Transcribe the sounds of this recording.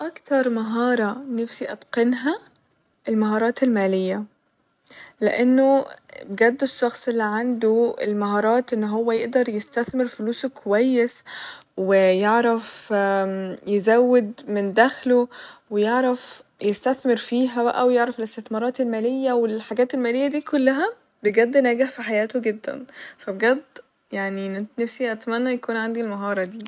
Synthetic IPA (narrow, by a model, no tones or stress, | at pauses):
ʔɑkt̪ɑɾˤmaɦɑːɾˤɑnæfsiʔɑt̪qɑnɦæ | ʔelmaɦɑːɾˤɑːt̪elmæːlɪjːæ | lḛʔenːoɡæd̪ːeʃːɑxsˤʔelːiʕand̪oḛlmaɦɑːɾˤɑːt̪ʔenːɦowːæjeʔd̪ɑɾˤjest̪æθmɪɾfʊluːskʰowæjːeswɪjeʕɾæf | jezæwːed̪mend̪æxlowejeʕɾæfjest̪æθmeɾfiːɦæbæ̰ʔæwejeʕɾæfelest̪eθmɑɾˤɑːt̪elmæːlejːæwelħaɡæːt̪elmæːlejːæd̪iːkolːæɦæ | beɡæd̪ːnæːɡeħfiħajæːt̪oɡed̪ːæ̰nfæbeɡæd̪ː | jaʕninnæfsiʔæt̪mænːæjækuːnʕand̪ilmɑɦɑːɾˤɑd̪iː